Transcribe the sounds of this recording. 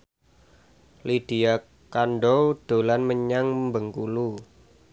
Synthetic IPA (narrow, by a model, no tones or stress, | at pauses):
lid̥i̤a | kanɖod̪̥o̤lanməɲaŋmbəŋkulu